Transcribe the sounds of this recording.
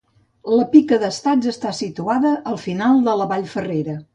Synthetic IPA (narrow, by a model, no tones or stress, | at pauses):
ləpikəðəst̪ad͡zəst̪asit̪uaðəʔəlˠfinalˠd̪ələβaʎfəreɾə